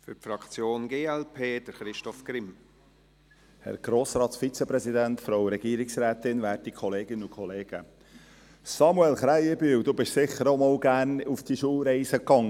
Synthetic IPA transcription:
fʏfɾɑkt͡sjoːnɡeːɛlpʰeːd̥əɾχɾɪʃtɔfɡ̥ɾɪm | hɛ̰ɾɡ̥ɾoːsɾɑːt̪sfit͡səpɾɛzid̪æntfɾowɾɛɡiːɾiksɾæːt̪ɪnʋæːrtikʰɔleːɡɪnəʊkʰɔleːɡ̥ə | sɑmuɛlχɾæɪəbyːwd̪uːbɪʃsɪχəɾomɔːlɡæːɾnufd̥iʃuːlɾɛɪsəkːɑŋ

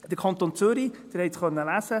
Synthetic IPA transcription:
d̥əkʰɑnt̪ont͡søɾid̥əɾhɛɪtχœnəlæsə

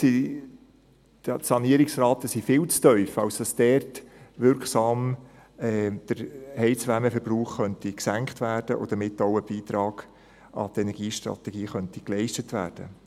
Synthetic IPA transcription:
si | sɑniəɾɪksrɑːt̪əsifɪːlt͡stœʏfɑwsd̥ɑsd̥̪ɛːrtʋɪɾksɑːm | ɛd̪̥əɾhɛɪt͡sʋæməfəɾb̥ruːχχœntiksæŋkχtvæːrd̥əʔo̰d̥əmɪtːoʊəb̥iːt̪ɾɑːɡ̥ | ɑ̰t̪ɛnɛɾɡ̥iːʃtɾɑ̰tɛɡiːχœntiklɛɪʃtətʋæ̰ːrd̥ə

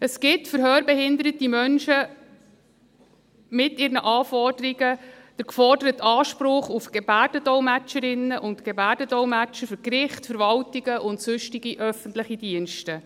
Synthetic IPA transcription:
əsɡɪtfəɾɦøːɾbɛhɪndəɾətimœnʃə | mɪtɪːɾnəʔɑːfɔrd̥əɾiɡə | d̥əɾkfɔrdəɾətɑːʃpɾʊχufɡ̥ebærd̥ədɔwmæt͡ʃəɾɪnːəʔʊntɡebæːɾdədɔwmæt͡ʃəfʏɾkɾɪχtfəɾvɑltiɡəʔʊntsʉʃtiɡiʔœfənt̪ləχid̥iənʃtə

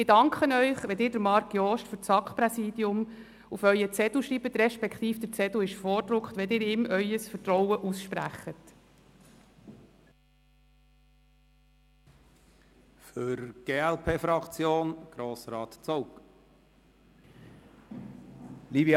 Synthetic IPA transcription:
ɪdɑŋkχənœʏχʋɛdɪːɾdəɾmɑɾkjɔːʃtfʏɾt͡sɑkχpɾɛsiːd̥iʊm | ufœʏət͡sɛd̥uʃɾibət̪ɾɛʃpɛkt̪iːfd̥̪əɾt͡sɛduɪʃfɔːɾdɾʊkχt̪ʋɛld̪ɪːɾɪːmʔœʏəsfətɾɔwəʔusʃpɾæ̰χːət̪ | fʏɾɡ̥eːælpʰeːfɾɑkt͡sjoːnɡ̥ɾoːsɾɑːt̪t͡sowk | livj

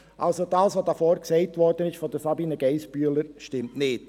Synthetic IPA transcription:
ʔɑ̰lsod̥ɑːsʋodɑfoːɾksɛɪtʋɔɾdənɪʃfɔd̪əsɑbiːnəɡɛɪsbyələɾʃtɪmtnɪːd̥

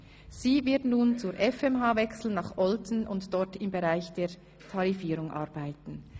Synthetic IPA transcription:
z̥iːvɪtnuːnt͡suːɾʔɛfɛmɦaːvɛksl̩nɑχʔɔltn̩ʔʊntd̥ɔɾtɪmbeʁaɪçd̥eː | tʰɑʁifiːɾʊŋʔɑɾbaɪtn̩

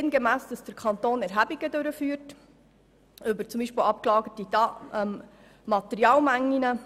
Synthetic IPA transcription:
ɪnɡemæːsd̥ɑsd̥əɾkʰχɑnt̪oːnɛɾɦæbiɡədøɾəfyːɾt | ʔʏbəɾt͡sʊmbiːʃpɪlɑp̚klɑːɡətidɑmː | ɑtɛɾiɑːlmæŋːinə

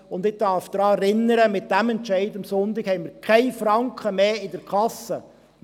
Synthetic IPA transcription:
ʊndɪd̥ɑɾfd̥̪ɾɑːɛɾɪnːəɾəmɪt̚d̥æmɛntt͡ʃɛɪdɑmsʊntɪkhɛɪmɪɾkʰɛɪfɾɑŋkχəmeːɪdəɾkʰɑsə

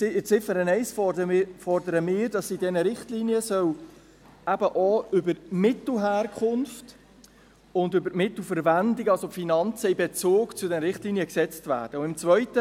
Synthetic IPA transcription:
ɪt͡sɪfəɾənɛɪsfɔfɔrdəɾəmɪːɾd̥ɑsidɛnəɾɪχtliniəsœw | æbəʔɔʏbəɾmɪt̪l̩ɦæːrkʰχʊnft | ʊndʏbəɾmɪtl̩fəɾvændɪɡɑlsofinɑnt͡səibet͡soːkt͡sʊdɛnəɾɪχtliːniəksɛt͡stvæ̰ːɾd̥əʊɪmt͡svœʏtə

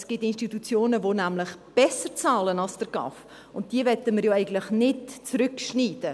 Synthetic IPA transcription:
sɡ̥ɪtɪnʃtitut͡sjoːnəvonæmlɪχb̥ɛsəɾt͡sɑːlənɑlsd̥əɾɡ̥ɑ̰f | ʊnt̚d̥iəvɛtəmɪɾjoːɛɪɡən̩tlɪχnɪtt͡sɾʏkʃniːdə

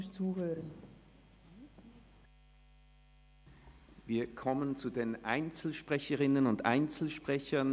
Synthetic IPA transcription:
t͡suːhøːʁən | viːɐkʰɔmənt͡sudeːnʔaɪnt͡sl̩ʃpʁ̥ɛçəʁɪnənʊndʔa̰ɪnt͡sl̩ʃpʁ̥ɛçɐn

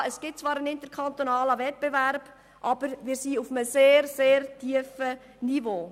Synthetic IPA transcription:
əsɡ̥ɪt̚t͡svɑːɾənɪntəɾkʰantonaːləvɛt̚b̥evæɾb̥ | ʔɑb̥əɾʋɪːɾsiːufəməseːɾseːɾtiːəfə | nivoː

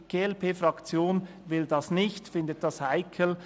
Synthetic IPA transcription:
ɡ̥eːɛlpʰeːfʁɑkt͡sjoːn | vɪldɑsnɪçtfɪndət̚d̥ɑshaɪkʰəl̩

